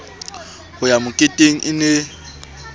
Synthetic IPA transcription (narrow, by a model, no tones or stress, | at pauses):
hʊjamʊkʼɪtʼeŋ̩ʔɪne